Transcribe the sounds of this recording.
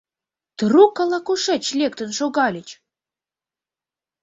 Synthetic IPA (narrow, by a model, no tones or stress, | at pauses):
t̪əɾukːɑlɑkuʃet͡ɕlʲek̚t̪ə̆nʃoɣɑlʲit͡ɕ